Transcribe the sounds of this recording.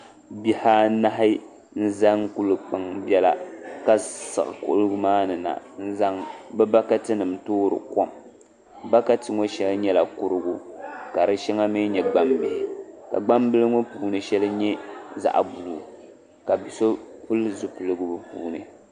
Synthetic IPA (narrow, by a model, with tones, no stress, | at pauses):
bi˦˨ha˦na˦ɦɪ˦ | n̩˦za˦ŋku˦lɨ˨k͡pa˨ŋbjɛ˦la˨ka˦sɨ̰˨ɣɨ̰˨kʊ̰˦ʔʊ˦lɡʊ˦maː˦nɨ˨na̰˨n̩˦za˦ŋbɛ˦ba˦ka˦tɨ˦nɨ˨m˨toː˦ɾɨ̰˨kɔ˦m | ba˦ka˦tɨ˨ŋo˦ʃɛ˦lɲɛ˦la˨kʊ˦ɾɨ˦ɡʊ˦ka˨ɾɨ˦ʃɛ˦ŋa˦mɪ˦ɲɛ˨ɡ͡ba˦mbɪ˨hɪ˨ka̰˨ɡ͡ba˦mbɨ˦lɨ˦ŋo˦puː˨nɨ˨ʃɛ˦lɨ˦ɲɛ˦za̰˦ʔbu˨u˨ | ka˨bi˨so˦pʊ˦lɨ˦zʊ˦pɨ˨lɨ˨ɡɨ˦bɨ˦puː˦nɨ̰˨